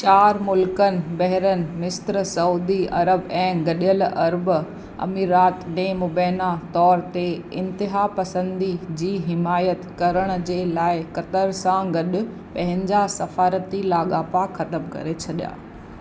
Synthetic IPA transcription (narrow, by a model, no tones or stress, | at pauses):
t͡ɕaːɾmʊlkənɪ̆bɐɦɪɾənɪ̆mɪst̪ɾsɐuːd̪iɐ̰ɾəbɛ̃ːɡɐɗijəlɐɾb | ɐ̰miːɾaːt̪nemʊbɛːnat̪ɔːɾt̪eɪ̃nt̪ɪɦapɐsə̃nd̪id͡ʑiːɦɪmaːjət̪kɐɾəɽ̃ʊ̆d͡ʑeːlaːɪkɐt̪əɾsãɡɐɗʊ̆ | pɐ̃ɦɪ̃ɲd͡ʑasɐfaːɾət̪ilaːɠaːpakxɐt̪əmkɐ̰ɾet͡ɕʰɐɗja̰ː